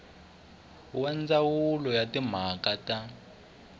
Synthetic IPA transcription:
wɛnd͡zawulɔjatim̤akata

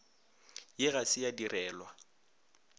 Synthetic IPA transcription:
jɪɣasɪjadirɛːlwa

